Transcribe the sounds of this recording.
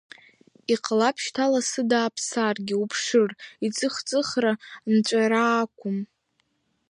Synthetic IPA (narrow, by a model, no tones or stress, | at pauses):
iqʰʼlapʰʃtʰalasɨdaːpʰsarɡʲɪupʰʂɨrit͡sʼɨχt͡sʼɨχrant͡ʃʷʼaɾaːkʷʰʊm